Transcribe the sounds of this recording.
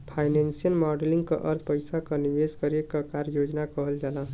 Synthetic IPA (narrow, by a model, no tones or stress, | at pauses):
pʰajnensijəlmɔɖelĩŋɡkəʔəɾt̪ʰpəjsakəniʋeskəɾekəkaɾjod͡ʒnakʌɦəld͡ʒala